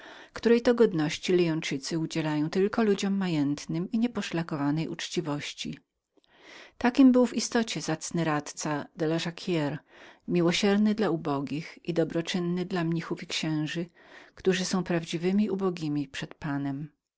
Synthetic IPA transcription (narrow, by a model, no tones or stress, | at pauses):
fkt̪uɾɛjt̪ɔɡɔd̪nɔɕt͡ɕilijɔ̃nt͡ʂɘt̪sɘud͡ʑɛlajɔ̃w̃t̪ɘlkɔlud͡ʑɔmːajɛnt̪nɘmiɲɛpɔʂlakɔvanɛjṵt͡ʂt͡ɕivɔɕt͡ɕḭ | t̪akʲimbɘwvist̪ɔt͡ɕɛzat̪snɘɾat̪t̪sad̪ɛlɔʐakʲʰjɛɾmʲiwɔɕɛɾnɘd̪laubɔɡʲixʔid̪ɔbɾɔt͡ʂɘnːɘd̪lamɲixufikɕɛ̃w̃ʐɘ | kt̪uʐɘsɔ̃w̃pɾavd͡ʑivɘmʲiubɔɡʲimʲipʂɛt̪panɛm